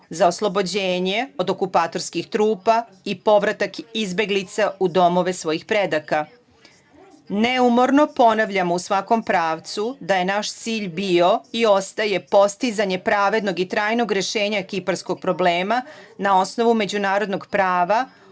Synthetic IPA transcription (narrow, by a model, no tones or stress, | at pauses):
zaoslˠo̞bo̞d͡ʑeːɲe̞o̞d̪o̞kupaːt̪o̞ɾskixt̪ɾuːpa | ipo̞ʋɾat̪akizbe̞ɡlit̪saud̪o̞mo̞ʋe̞sʋo̞jixpɾe̞d̪aka | neumo̞ɾno̞po̞naʋʎamousʋako̞mpɾaːʋt̪sud̪aje̞naʃt̪siːʎbio̞io̞st̪aje̞po̞st̪izaɲe̞pɾaʋe̞d̪no̞ɡit̪ɾaːjno̞ɡɾje̞ʃe̞ːɲaekipaɾsko̞ɡ̥̚pɾo̞bleːmanao̞sno̞ʋume̞d͡ʑunaːɾo̞d̪noɡpɾaːʋa